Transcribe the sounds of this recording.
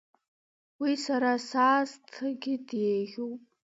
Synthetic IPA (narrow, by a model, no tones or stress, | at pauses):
wisaɾasaːztʰɨɡʲɪdeʒʲuwpʼ